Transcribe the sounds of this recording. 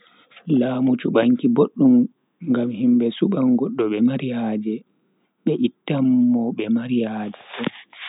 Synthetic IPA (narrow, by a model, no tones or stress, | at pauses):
laːmut͡ʃuɓaŋkiboɗːum | ŋɡamhimbɛsuɓaŋɡɔɗːɔɓɛmaɾijad͡ʒɛ | ɓɛʔitːamːɔɓɛmaɾjaːd͡ʒɛɓɔ